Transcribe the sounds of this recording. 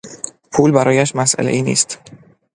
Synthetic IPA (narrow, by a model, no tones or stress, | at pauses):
pʰuːlbæɾɒːjæʃmæsʔæ̰leʔiːnḭːst̪